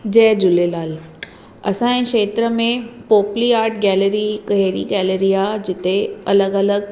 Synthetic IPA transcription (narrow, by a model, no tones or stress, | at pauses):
d͡ʑɛɦd͡ʑʊlelaːl | ɐsãẽkʃeːt̪ɾəmẽpoːpliaːɾʈɡɛːleɾikɦeːɾiɡɛːleɾijad͡ʑɪt̪eɐləɡɐləɡ̚